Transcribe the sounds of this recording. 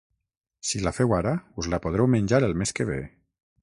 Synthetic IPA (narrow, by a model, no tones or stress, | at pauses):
silafɛwaɾauzlapoð̞ɾɛwmənʲd͡ʒaɾəlˠmeskeβ̞ḛ